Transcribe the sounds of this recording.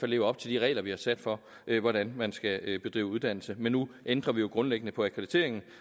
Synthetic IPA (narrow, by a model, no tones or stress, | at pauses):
ælːe̝ːʊɐɒ̽b̥̚t͡sʰe̝ld̥iʁɛ̰ɪlɐʋihɑ̈sæd̥fɒ̽ | ʔøʋɒɾ̥ænmænsɡ̥æøb̥e̝d̥ʁḭːʊuðˠd̥æn̰l̩səmenːuʔend̥ʁɐʋijo̝ɡ̥ʁɔ̽nleɡ̥ənəpʰɒ̽ækʰʁed̥i̥t͡sʰe̝̰ɐe̝ŋn̩